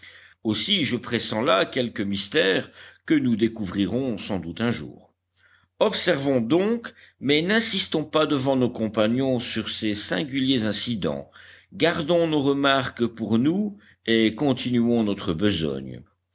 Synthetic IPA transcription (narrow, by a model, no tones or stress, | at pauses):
osiʒəpχesɑ̃lakʲɛlkəmist̪ɛːʁkənud̪ekuvʁiʁɔ̃sɑ̃d̪ut̪ɛ̃ʒṵːʁ | ɔpsɛʁvɔ̃d̪ɔ̃k | mɛnɛ̃sist̪ɔ̃pad̪əvɑ̃nokɔ̃paɲjɔ̃syʁsesɛ̃ɡʲyljezɛ̃sid̪ɑ̰̃ɡaʁd̪ɔ̃noʁəmaʁkpuʁnu | ekɔ̃t̪inyɔ̃nɔt̪χəbəzɔ̰ɲ